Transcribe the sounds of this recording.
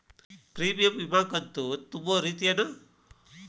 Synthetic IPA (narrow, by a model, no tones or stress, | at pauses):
pɾiːʋijɐmʋibʱaːkɐnt̪ut̪umboɾiːt̪iɐɽu